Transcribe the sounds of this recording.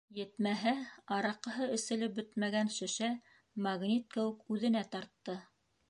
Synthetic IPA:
jɘ̆t̪mæɦæɑɾɑqɤ̆ɦɤɘ̆sɘ̆lɘp̚bɵt̪mæɡænʃɘ̆ʃæ | mɑɡnʲit̪̚kɘ̆wɘ̆kʉðɘ̆næt̪ɑɾt̪ːɤ

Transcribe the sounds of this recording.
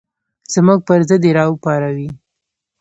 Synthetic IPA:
z̥muɡ̚pəɾzəd̪eɾɑupɑɾawi

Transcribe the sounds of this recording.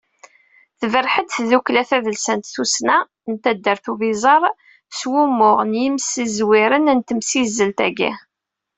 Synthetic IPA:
θəvəɾħəd̪θðuklæθæðəlsənt̪θusnæ | nt̪æd̪ːəɾθuvizˤɑɾˤ | swumːʊʁnjimsizwiɾənnt̪əmsizːəlt̪æɡḭ

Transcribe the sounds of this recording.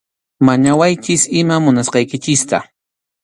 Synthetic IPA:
maɲawajt͡ʃɪsɪmamʊnasqɑjkɪt͡ʃɪst̪a̰

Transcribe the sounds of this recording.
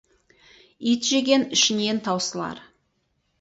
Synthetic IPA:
it̪ʒe̞ɡʲe̞nɪʃɪne̞nt̪ʰɑwsəlˠɑ̰ɾ

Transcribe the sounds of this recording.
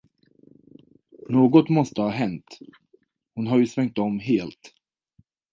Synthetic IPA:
noːɡɔt̪mɔst̪əhɑːɦɛnt̪ | hʊnɦaɾjɵsvɛŋk̚t̪ɔmɦeːlt̪

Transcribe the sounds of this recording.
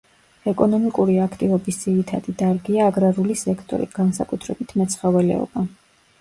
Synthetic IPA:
ɛkʼɔnɔmikʼuɾiakʰt̪ʼivɔbisd̪z̥iɾit̪ʰad̪id̪aɾɡiaːɡɾaɾulisɛkʰt̪ʼɔ̰ɾḭɡ̥ansa̰kʼut̪ʰɾɛbit̪ʰmɛt̪sʰχavɛlɛ̰ɔ̰ba

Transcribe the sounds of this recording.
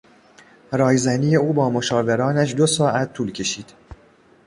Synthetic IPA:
ɾɒːjzænije̞uːbɒːmoʃɒːve̞ɾɒːnæʃd̪osɒːʔæt̪ʰːuːlcʰe̞ʃiːd̪̥

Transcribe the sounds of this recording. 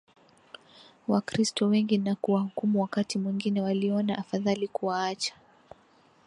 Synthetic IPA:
wakɾistɔwɛŋɡinakuwahukumuwakatimwiŋɡinɛwaliɔnaʔafaðalikuwaat͡ʃḁ

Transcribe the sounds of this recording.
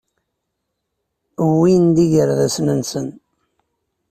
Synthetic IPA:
wind̪iʝəɾðæsnənsən

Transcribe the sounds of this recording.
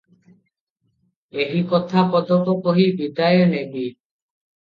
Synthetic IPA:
eɦikɔt̪ʰapɔd̪ɔkɔkɔɦibid̪ajɔnebi

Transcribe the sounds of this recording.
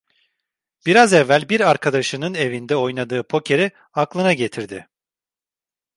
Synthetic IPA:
b̥iɾazɛvːælʲbiɾaɾkʰad̪aʃɯnɯne̞vind̪ɛo̞jnad̪ɯːpʰo̞cʰe̞ɾi | aklˠɯnaɟe̞t̪ʰiɾd̪ɪ

